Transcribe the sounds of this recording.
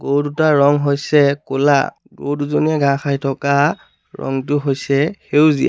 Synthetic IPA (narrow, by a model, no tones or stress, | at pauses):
ɡowdutaɹɔŋɦojsɛkʊla̰ | ɡo̰wduzoniɛɡãxajtʰɔka | ɹɔ̰ŋtʊɦojsɛhewzija̰